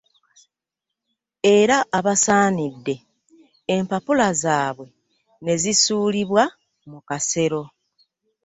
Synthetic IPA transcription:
e̞ɾaʔaβasaːnidːe̞ː | mpapulazaːβwe̞ | ne̞zisuːliβwa | mukase̞ɾo̞

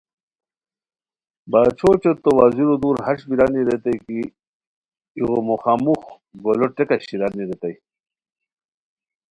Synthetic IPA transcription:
bat͡ɕʰot͡ɕot̪ːowaziɾod̪uːɾhaʂbiɾaniɾet̪ajki | ɣomoxamux | ɡoloʈekaɕiɾaːniɾet̪aj

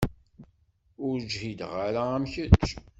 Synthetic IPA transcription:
ʊɾd͡ʒhid̪ʁaɾaæmçət͡ʃː

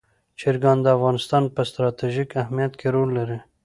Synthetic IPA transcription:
t͡ʃeɾɡɑnd̪əafɣɑnɪst̪ɑnpəst̪ɾɑt̪iʒikahmijat̪kʰeɾolːaɾi

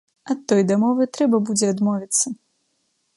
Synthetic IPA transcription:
ɐt̪ːɔjd̪amɔvɨt̪ɾɛbɐbud͡zʲɛad̪mɔvʲit̪sːɐ

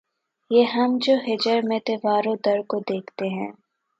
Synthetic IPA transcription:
jeːɦɐmd͡ʒoːɦɪd͡ʒəɾmẽt̪eːʋaːɾõd̪ɐɾkod̪eːkʰt̪eɦɛ̃ː

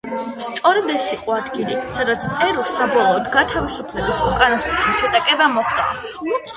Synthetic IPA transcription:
st̪sʼɔɾɛd̪ɛsiqʼɔad̪ɡilisad̪at̪sʰpʼɛɾulˠsabɔlˠɔːd̪ɡat̪ʰavisupʰlɛbisukʼanast̪ʼɾaniʃɛd̪akʼɛbamɔχd̪a̰

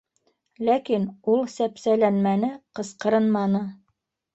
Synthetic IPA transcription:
lækinulˠsæpsælænmænɘqɤ̆sqɤ̆ɾɤnmɑnɤ

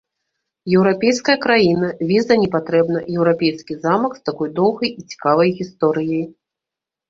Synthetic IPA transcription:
jɛwɾapʲejskɐjɐkɾajinɐvʲizɐnʲɛpat̪ɾɛbnɐjɛwɾapʲejskʲizamɐkst̪akɔjd̪ɔwɣɐjit͡sʲi̥kavɐjɣʲist̪ɔɾɨjɐj

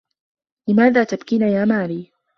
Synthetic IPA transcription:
lɪmaːðaːt̪abkinajaːmaːliː

